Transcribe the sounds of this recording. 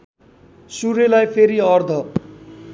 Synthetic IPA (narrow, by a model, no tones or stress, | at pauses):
suɾelajpʰeɾiʌrd̪ʱʌ